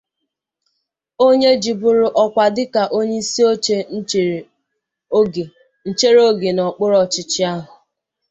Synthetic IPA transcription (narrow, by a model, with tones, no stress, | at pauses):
o˦ɲe˦d͡ʒi˨bʊ˦ɾʊ˨ʔɔ˦kʷa˨dɪ˦ka˨ʔo˦ɲe˦i˦si˦o˦t͡ʃe˦˨˦ | n̩˦˨t͡ʃe˦ɾo˦ɡe˨nɔ˨k͡pʊ˦ɾɔ˨t͡ʃɪ˦t͡ʃɪ˦a˦ɦʊ˨